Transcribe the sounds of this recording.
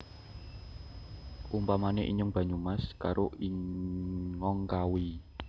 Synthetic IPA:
ʔumpamaneʔḭɲəŋb̥a̤ɲumaskaɾoʔi | ŋɔŋkawi

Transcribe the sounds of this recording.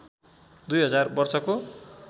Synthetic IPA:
d̪ujɦʌd͡zarbʌrsʌko

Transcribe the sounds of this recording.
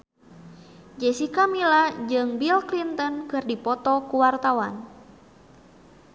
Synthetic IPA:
d͡ʒɛsikamilad͡ʒɨŋbilklint̪ɔnkɨrdipɔt̪ɔkuwart̪awan

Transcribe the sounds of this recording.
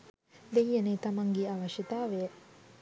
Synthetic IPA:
d̪ejːɐnet̪ɐmɐŋɡiaʋɐʃit̪aːʋejə

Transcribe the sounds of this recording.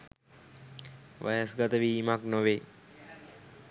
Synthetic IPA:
ʋa̰jəsɡat̪əʋiːmaknoʋe

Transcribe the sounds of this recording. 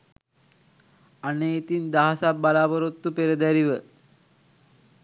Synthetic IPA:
aneit̪ind̪aɦasap̚bːalaːbəɾot̪ːupeɾəd̪æɾiʋə

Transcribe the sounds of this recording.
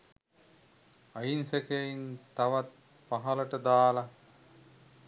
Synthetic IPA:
ajinsekeint̪aʋat̪̚ | paɦɐləʈəd̪aːla

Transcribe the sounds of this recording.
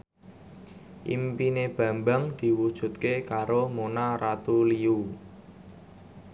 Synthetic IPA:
ʔḭmpineb̥ä̤mbaŋd̪̥i̤wud̥ʒ̥ṳt̪kekaɾomonaɾat̪uliu

